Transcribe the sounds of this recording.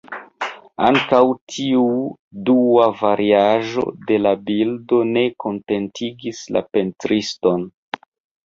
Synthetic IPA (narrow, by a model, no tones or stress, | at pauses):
aŋkawtʰiu | duavaɾʔiaʒo̞̰de̞labildo̞ne̞ko̞nte̞ntʰiɡisla̰pe̞ntɾisto̞n